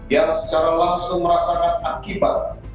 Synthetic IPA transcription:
jaŋsə̥t͡ʃaɾalaŋsʊŋməɾasakanakibat̪̚

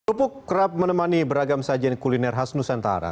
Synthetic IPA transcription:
upʊkːəɾap̚mənəmanibəɾaɡamsad͡ʒankulinɛrɦasnusant̪a̰ɾa̰

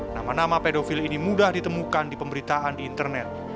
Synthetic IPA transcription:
na̰manamapedofilinimudahdit̪əmukandipəmbəɾit̪aʔandiːnt̪ərnɛt̪̚

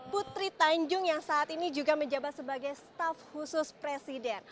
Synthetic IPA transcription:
put̪ɾit̪aɲd͡ʒʊŋjaŋsaʔːt̪inid͡ʒuɡaməɲd͡ʒabat̪səbaɡajst̪afhusʊspɾesidɛn

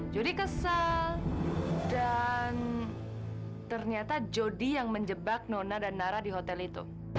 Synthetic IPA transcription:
d͡ʒodikəsal | dan | t̪ərɲiat̪ad͡ʒodijaŋməɲd͡ʒəbak̚nonadanːaɾahdiɦot̪ɛlit̪ṵ

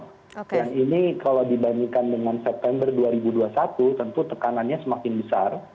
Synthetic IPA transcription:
jaŋinikalawdibaɲiŋkandəŋansɛp̚t̪ɛmbərduaɾibuduasat̪ut̪ənt̪ut̪əkananɲasəmakɪnbəsar

